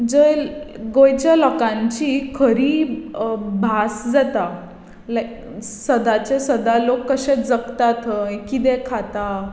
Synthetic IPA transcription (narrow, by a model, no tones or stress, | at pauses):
d͡zəjɡojt͡ɕjalɔkãɲt͡ɕikʰəɾiː | bʱasd͡zat̪a | l | səd̪at͡ɕesəd̪alokːəɕet͡sd͡zəkt̪at̪ʰekid̪ɛkʰat̪a